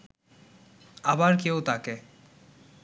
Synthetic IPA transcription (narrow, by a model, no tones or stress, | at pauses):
abaɾkeot̪ake